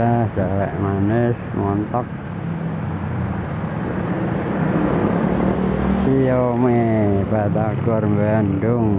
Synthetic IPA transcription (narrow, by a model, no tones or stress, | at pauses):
asalɛ̰ʔmanɪsmɔnt̪ɔk̚ | sijomebat̪akɔrmbandʊŋ